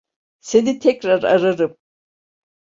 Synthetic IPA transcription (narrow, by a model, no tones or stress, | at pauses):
se̞nit̪ʰɛcɾaɾa̰ɾaɾɯm